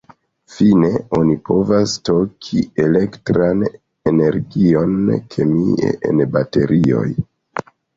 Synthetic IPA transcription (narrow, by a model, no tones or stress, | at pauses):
fine̞o̞nipʰo̞vasto̞kʰie̞le̞ktɾan | ene̞ɾɡio̞nkʰe̞miḛʔḛnbate̞ɾʔio̞̰j